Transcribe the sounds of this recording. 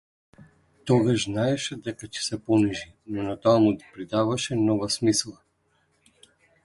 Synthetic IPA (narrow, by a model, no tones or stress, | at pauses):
t̪ɔɡaʒznaɛʃɛd̪ɛkacɛ̥sɛpɔniʒi | nɔnat̪oamuɡ̪ipɾid̪avaʃɛnɔvasmislˠa